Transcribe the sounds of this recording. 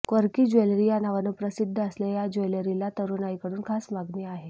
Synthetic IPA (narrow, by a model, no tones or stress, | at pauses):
kəɾkiːd͡ʑojlɾijanaʋanəːpɾəsid̪ʱːəəslejad͡ʑojləɾilat̪əɾunaikəɽuːnkʰasmaɡniaɦe